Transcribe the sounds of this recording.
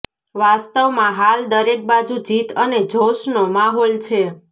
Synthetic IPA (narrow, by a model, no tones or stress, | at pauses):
ʋast̪əʋmãɦald̪əɾek̚bad͡ʒud͡ʒit̪əned͡ʒʱoʃnomaɦolt͡ʃʰe